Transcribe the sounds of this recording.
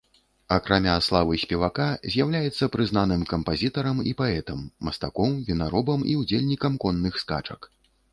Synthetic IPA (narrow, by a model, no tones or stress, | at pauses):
ɐkɾamʲaslˠavɨsʲpʲɛvakazʲjawlʲajɛt̪sːɐpɾɨznanɨmkɐmpazʲit̪ɐɾɐmipaɛt̪ɐmːɐst̪akɔwvʲinaɾɔbɐmiud͡zʲelʲnʲikɐmkɔnːɨxska̰t͡ʂɐ̰k